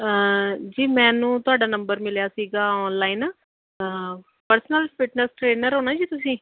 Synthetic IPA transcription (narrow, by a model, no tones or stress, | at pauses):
əd͡ʒiːmɛ̃ːnũːt̪ʊaːɖaːnə̃mbəɾmɪljaːsiːɡaːɔːnlaːiːnaː | pəɾsənəlfɪʈnəsʈɾeːnəɾɦoːnaːd͡ʒiːt̪ʊs̬ĩː